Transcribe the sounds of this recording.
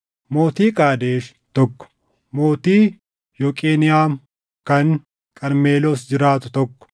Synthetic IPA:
mo̞ːt̪iːkʼaːd̪eːʃ | t̪ɔkːɔ̥ | mo̞ːt̪iː | joːkʼeːnɪjaːm | kɐŋ | kʼɐnmeːloːsd͡ʒɪɾaːt̪ʊ̥t̪ɔkːɔ̥

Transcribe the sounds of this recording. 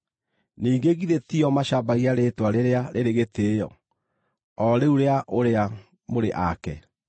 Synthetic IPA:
niːɡeɣiðetiɔmaɕabaɣiaɾetwaɾeɾeaɾeɾeɣeteːjɔ | ɔɾeuɾeaʔoɾea | moɾeʔakɛ

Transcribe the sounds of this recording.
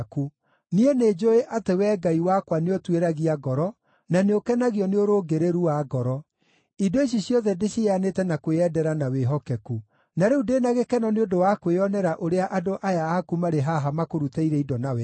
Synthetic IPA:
ku | nieneːd͡ʒoeʔatewɛɡaiwakwaneotweɾaɣiaɡɔɾɔ | naneokɛnaɣiɔneoɾoːɡeɾeɾuwaɡɔɾɔ | idoeɕ̬iɕjɔðɛdeɕeanetɛnakweɛdɛɾanaweɦɔkɛku | naɾeudenaɣekɛnɔneodowakweɔnɛɾaʔoɾeaʔadoʔajaakumaɾeɦaɦamakoɾutaiɾɛidɔnawɛ

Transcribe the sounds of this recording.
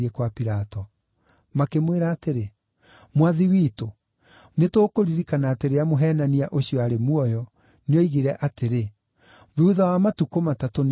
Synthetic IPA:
ɛkwapiɾatɔ | makemweɾaːteɾe | mwaðiwiːto | netoːkoɾiɾikanaːteɾeamoɦɛːnaniaʔoɕiɔaɾemwɔjɔ | neoiɣiɾɛʔateɾe | ðuːðawamatukomataton

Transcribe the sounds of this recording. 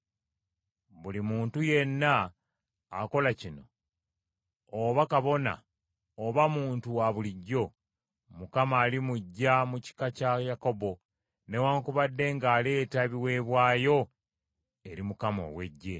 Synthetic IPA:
βulimuːntuje̞nːaː | ko̞lacino̞ | βakaβo̞na̰ | oβamuːntuwaβuliɟːo̞ | mukamaːlimuɟːamuci̥kacajako̞bo̞ | ne̞waːŋkuβadːe̞ŋɡaːle̞ːtaβiwe̞ːβwaːjo̞ | e̞ɾimukamo̞̰we̞ɟːe̞

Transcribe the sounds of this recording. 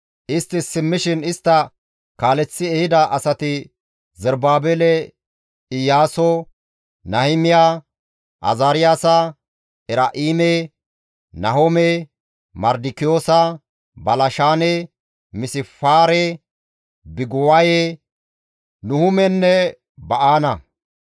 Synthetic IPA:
ʔɪst̪ːɪsɪmːɪʃɪnɪst̪ːɐ | kaːlɛt͡sːɪɛhɪd̪ɐʔɐsɐt̪ɪ | zɛɾbaːbeːlɛ | ɪjaːsɔ | nɐhɪmɪja | ʔɐ̰zaːɾɪjaːsɐ | ʔɛɾaʔiːme | nɐɦomɛ | mɐɾd̪ɪkɪjo̞ːsɐ | bɐlɐʃaːnɛ | mɪsɪfaːɾɛ | bɪɡʊwaje | nʊhʊmɛnːɛ | bɐʔaːnɐ

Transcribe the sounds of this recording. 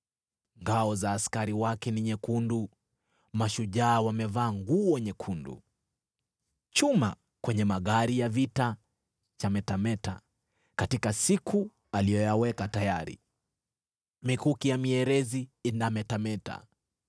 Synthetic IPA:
ŋɡaɔzaːskaɾiwakɛniɲɛkundu | maʃuʄaːwamɛvaːŋɡuːwɛɲɛkʰundṵ | t͡ʃuma̰ | kwɛɲɛmaɠaɾijavita | t͡ʃamɛtamɛta̰ | katikasikʰu | alijɔjawɛkatajaɾḭ | mikukijamiɛɾɛziːnamɛtamɛta̰

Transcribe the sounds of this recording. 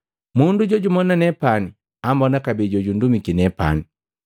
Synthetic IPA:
munduɟɔɟumɔnanɛpani | ambɔnakabid͡ʒɔd͡ʒundumikinɛpa̰ni

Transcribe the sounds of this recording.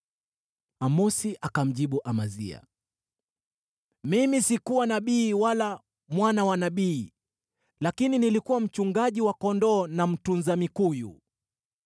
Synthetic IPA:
amɔsiʔakam̩ʄiɓuʔamazḭa̰ | mimisikuwanaɓiːwala | mwanawanaɓiː | lakininilikuwam̩t͡ʃuŋɡaʄiwakɔndɔːnam̩tunzamikujṵ

